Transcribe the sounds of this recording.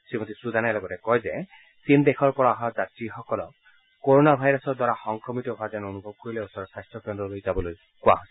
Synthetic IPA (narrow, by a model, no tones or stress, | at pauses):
sɹimotisud̪ʱanalɔɡɔtɛkɔjzɛ | sindexʰɔɹpɔɹaaɦɔzatɹixɔkɔlɔkː | oɹonabʱajɹɔsɔdwaɹaxɔŋkɹɔmitɔɦazɛnonubʱɔb̚koɹilɛɔsɔɹɔsajstɹɔkɛndɔlojzabɔloj | kʊa̰ɦojsɛ